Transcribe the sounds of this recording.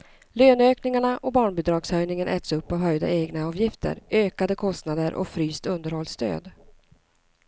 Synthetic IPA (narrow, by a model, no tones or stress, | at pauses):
løːnøːknɪŋaɳaʔɔbɑːɳbɪd̪ɾɑːɡshœjnɪŋənʔɛ̰t̪sɵpːɔɦœjd̪a̰eːɡnaɑːvjɪft̪ʰə̰ɾøːkad̪əkʰɔst̪nad̪əɾʔɔ̰fɾyːst̪ɵnd̪əɾhɔlst̪ø̰ːd̪